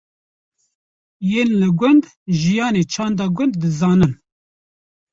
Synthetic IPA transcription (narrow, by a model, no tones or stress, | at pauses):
jeːnlɨɡʷʊnd̪ | ʒijɑːneːt͡ʃʰɑːnd̪ɑːɡʷʊnd̪ːɨzɑːnɨn